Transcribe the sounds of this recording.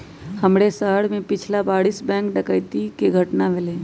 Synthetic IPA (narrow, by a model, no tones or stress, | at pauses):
həmɽesaːɽmẽpɪt͡ʃʰlabaːɽisbɛ̃ːkɖəkəjt̪ikeɡʱəʈnamelẽ